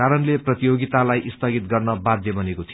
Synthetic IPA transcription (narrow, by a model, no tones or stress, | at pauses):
aɾʌnleprʌt̪ijoɡit̪alajʔist̪ʰʌɡit̪ɡʌrnʌbad̪ʱjʌbʌnekot̪ʰi